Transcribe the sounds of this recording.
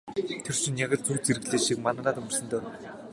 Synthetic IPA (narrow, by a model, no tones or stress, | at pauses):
t̪ʰer̥ʃɪ̆nʲːjaɣə̆ɮt͡suːt͡seɾɘɣɮeːʃik̚manə̆ɢaːt̪ʊmə̆rsə̆nt̪œː